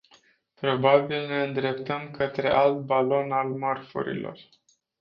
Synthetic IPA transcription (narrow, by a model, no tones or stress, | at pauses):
pɾo̞babilne̞ɨnd̪ɾe̞pt̪əmkət̪ɾe̞̰ʔalt̪̚balo̞nalmarfṵɾḭlo̞̰r